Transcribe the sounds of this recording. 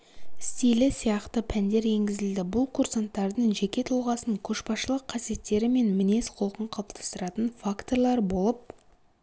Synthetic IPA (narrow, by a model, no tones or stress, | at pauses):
ɪst̪ijlɪsijɑqt̪əpʰænd̪e̞ɾe̞ŋɡʲɪzɪld̪ɪbʊlˠkʰursant̪ːɑɾd̪əɴʒe̞kʲe̞t̪ʰulˠʁɑsəɴkʲʰɵʃpɑsʃəlˠəqʰːɑsije̞t̪ːe̞ɾɪme̞nmɪne̞sqʰo̞lˠəqəɴqʰɑp̚t̪ʰɑ̥st̪əɾɑt̪ənfakt̪o̞ɾlˠɑɾbo̞lˠəp̚